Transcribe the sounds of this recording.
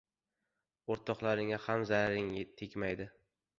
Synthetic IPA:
oɾt̪ʰɒqlaɾɪŋahamzaɾaɾɪŋat̪ʰekʲmajd̪ɪ

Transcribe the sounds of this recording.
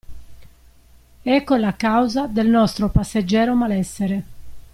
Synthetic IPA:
ɛkːolakawzad̪elnɔst̪ɾopasːed͡ʒːɛːɾomalɛsːeɾe

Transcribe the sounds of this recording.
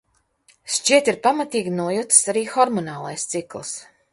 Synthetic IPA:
ʃt͡ʃiɛt̪iɾpamat̪iːɡʲinuɔjut̪saɾiːxɔɾmɔnaːlˠajst̪siklˠs

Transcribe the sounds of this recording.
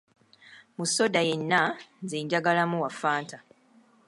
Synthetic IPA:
muso̞daje̞nːanziːɲɟaɡalamuwafaːnta

